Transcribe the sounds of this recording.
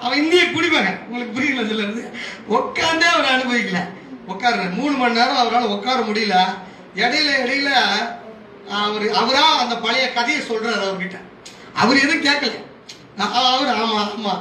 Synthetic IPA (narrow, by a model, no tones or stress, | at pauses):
ɐʋɐ̃ɪnd̪ɪjɐpʊɽɪʋaːɣɐʊŋɡɐɭɯkːɯpʊɽɪɐlɐs̬ɔlːɐɾɯnd̪ɯɔkːaːnd̪eɐʋɐɾɐɳɯbɐʋɪkːɐlɐ | ɔkːaːɾɐɾɐmuːɳɯmɐnːaːɾɐ̃ɐʋɐɾaːlɐ̃ɔkːaːɾɐmʊɽɪjɪlɐ | ɛɽɐjɪlɐɛɽɐjɪlɐ | ɐʋɐɾɯɐʋɐɾaːɐnd̪ɐpɐɭɪjɐkɐðɐjɐsɔlɾaːɾɐʋɐɾkɪʈːɐ | ɐ̰ʋɐɾɯɛðɯkeːɾkɐlɛ̰ | ʔːʋɐɾaːmamaː